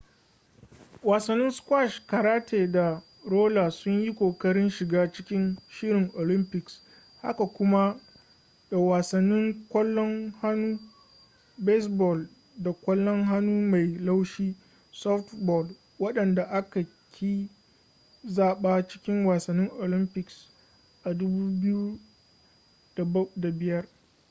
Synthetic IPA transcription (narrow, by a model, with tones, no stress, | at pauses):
waː˨sɐ˨nːɪ˦nskʷwa˦˨ʃka˨ɾaː˦tʰeː˨da˨ | ɾoː˦la˨sʊ˦ɲji˦kʷoː˨kɐ˦ɽɪ˦nʃɪ˨ɡaː˦t͡ʃɪ˦kʲɪ˦nʃɪ˦ɾɪ˨ŋʔo˨lɪ˦mpɪ˨ks | ha̰˦ka˨kʷʊ˦ma˦ | da˨waː˨sɐ˨nːɪ˦ŋkʷɔ˦lːɔ˦ŋha˦nuː˦ | be˦sbɔ˨l | da˨kʷɐ˦lːɔ˦ŋɦa˦nuː˦ma˨jla˦wʃiː˦ | sɔ˦ftbɔ˨l | wɐ˦ɗɐ˨nda˨ʔa˦ka˨ | kʲʰi˦ | zaː˦˨ɓaː˦t͡ʃɪ̥˦kʲɪ˦ŋwaː˨sɐ˨nːɪ˦ŋʔo˨lɪ˦mpɪ˨ks | ʔa˨dʊ˦buː˦bɪ˦ju˦ | d̥a˨˦da˨bɪ˨jɐ˦r